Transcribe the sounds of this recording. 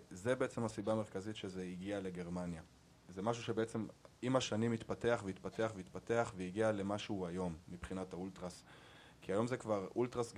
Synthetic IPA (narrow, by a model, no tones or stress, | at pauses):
zebeet͡semhasibaːme̞ʁkazitʃe̞zeiɡiale̞ɡe̞ʁmanja | zemaʃ̬uʃebeet͡se̞mimaʃanimit̪pate̞aχveit̪pateaχveit̪pate̞aχveiɡiale̞maʃuuajo̞mːipχinat̪hault̪ʁas | kiajo̞mzekvaʁultʁasɡ